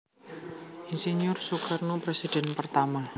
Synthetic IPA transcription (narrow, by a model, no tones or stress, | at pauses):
ʔinseniʊrsukarnopɾesid̥ɛ̤npərt̪ama